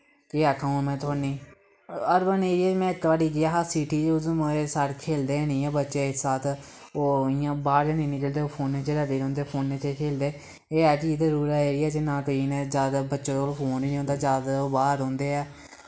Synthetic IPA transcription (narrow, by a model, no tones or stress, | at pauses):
keːaːkʰaũːmɛ̃ːt̪ʰaːniː | əɾbəneːɾiɛːmɛ̃ːɪkːʋaːɽiːɡɪaːɦasiːʈiːd͡ʒʊzmesaːɽkʰeːld̪eːnĩːɛːbətːʃeːɪssaːt̪ʰoːɪːãːbaːɾd͡ʒãːnĩːnɪ̃kəld̪eːoːpʰoːnːeːt͡ʃeːɾaːɖeːɾɔ̃ːnd̪eːpʰoːnːeːt͡ʃeːkʰeːld̪eː | eːɛːkiːzəɾuːɾaːeːɾiːɛːd͡ʒeːnãːt̪oiːnɛ̃ːzjaːd̪abətːʃõːt̪oloːpʰoːniːnĩːõːnd̪aːd͡ʒjaːd̪aoːbaːɾɦɔ̃ːnd̪eːɛː